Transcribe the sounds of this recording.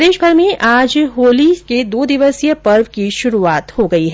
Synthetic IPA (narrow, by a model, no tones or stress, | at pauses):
d̪eːʃbʱɐɾmẽʔaːd͡ʒɦoːliked̪oːd̪ɪʋəsjəpɐɾʋkiʃʊɾuaːt̪hoɡɐiɦɛː